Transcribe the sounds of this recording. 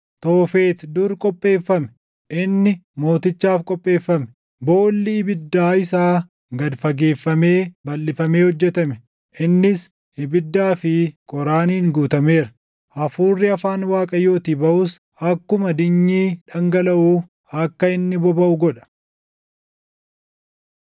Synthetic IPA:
t̪oːfe̞ːt̪d̪uɾkʼɔpʼːe̞ːfːɐmɛ̥ | ʔɪnːɪmo̞ːt̪ɪt͡ʃːaːfkʼɔpʼːe̞ːfːɐmɛ | boːlːɪɪbɪd̪ːaːɪsaː | ɡɐd̪fɐɡe̞ːfːɐme̞ːbɐlːɪfɐme̞ːhɔd͡ʒːɛt̪ɐmɛ | ʔɪnːɪs | ɪbɪd̪ːaːfɪkʼɔɾaːniːŋɡuːt̪ɐme̞ːɾɐ̥ | ʔɐfuːrːɪɐfaːnwaːkʼɐjo̞ːt̪iːbɐʔʊs | ɐkːʊmɐd̪ɪɲːiːᶑɐŋɡɐlɐʔuː | ɐkːɐɪnːɪbɔbɐʔʊɡɔᶑɐ̥

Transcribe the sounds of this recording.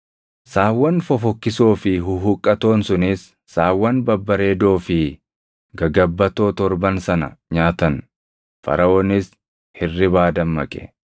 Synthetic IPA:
saːwːɐnfɔfɔkːɪsoːfɪɦʊɦʊkʼːɐt̪o̞ːnsʊnisː | aːwːɐnbɐbːɐɾe̞ːd̪o̞ːfɪ | ɡɐɡɐbːɐt̪o̞ːt̪ɔɾbɐnsɐnɐ̰ɲaːt̪ɐn | fɐ̰ɾɐʔoːnɪs | hɪrːɪbaːd̪ɐmːɐkʼɛ̥̰

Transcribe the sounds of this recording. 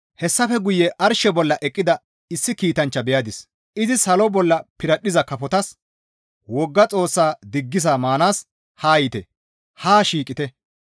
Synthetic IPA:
hɛsːɐfɛɡʊjːɛʔɐɾʃɛbɔlːɐʔɛkʼːɪd̪ɐ | ɪsːɪkiːt̪ɐnt͡ʃːɐbɛjɐd̪ɪs | ʔɪzɪsɐlɔbɔlːɐpɪɾɐɗɪzɐkɐfɔt̪ɐs | wɔɡːɐt͡sʼo̞ːsːaːd̪ɪɡːɪzaːmaːnaːs | haːjɪt̪ɛ̰ | haːʃiːkʼɪt̪ɛ

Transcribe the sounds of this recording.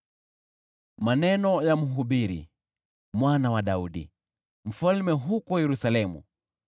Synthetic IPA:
manɛnɔjam̩ɦuɓiɾḭ | mwanawaɗauɗḭ | m̩falmɛɦukɔjɛɾusalɛmṵ

